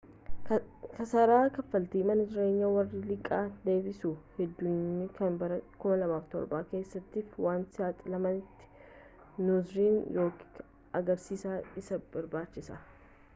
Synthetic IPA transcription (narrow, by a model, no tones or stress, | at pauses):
kɐsɐɾaːkɐfːɐlt̪iːmɐnɐd͡ʒɪɾe̞ːɲːɐwɐrːɪlɪkʼːaːd̪e̞ːbɪsuhɛd̪ːʊnɪkɐnbɐɾɐkʊmɐlɐmaːft̪ɔ̰ɾbaːke̞ːsːɐt̪ːiːfwaːnsɪaːt̪ʼɪlɐmɐnɪt̪ːɪ̥ | nuzɾiːnjo̞ːkː | ɐɡɐɾsiːsaːɪsɐb̥ɐɾbaːt͡ʃːɪsɐ